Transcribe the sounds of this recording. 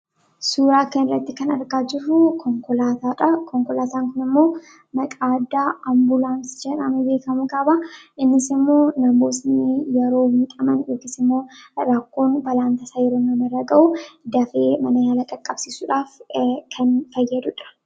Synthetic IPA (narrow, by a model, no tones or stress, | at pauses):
suːɾaːkɐnɪrːɐt̪ːɪkɐnɐ̰ɾɡaːd͡ʒɪrːʊkɔŋkɔlat̪aᶑɐkɔŋkɔlaːt̪aːŋkʊnɪmːo̞ː | mɐkʼaːd̪ːaːɐmbʊlaːnsɪ̥d͡ʒɛᶑɐ̰nʊbe̞ːkɐmʊkʼɐːbɐʔɪnːɪsɪmːo̞ːnɐmoːsnɪjɛɾo̞ːhit̪ʼɐmɐnjoːkɪsɪmːo̞ːɾɐkːo̞ːnbɐlaːnt̪ɐsaːjɛɾo̞ːnɐmɪrːɐɡɐʔʊd̪ɐfe̞ːmɐnɐjaːlɐkʼɐkʼːɐbsiːsuːᶑaːfkʰɐnfɐjːɐd̪ʊᶑɐ̥